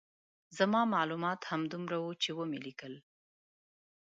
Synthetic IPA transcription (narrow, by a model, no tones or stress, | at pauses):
zamɑmɑlumɑt̪hamd̪umɾawut͡ʃewəmelikəl